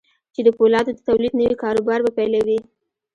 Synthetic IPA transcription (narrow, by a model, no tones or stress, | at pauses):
t͡ʃed̪əpolɑd̪od̪ət̪awlid̪nəwikɑɾubɑɾbapajlawi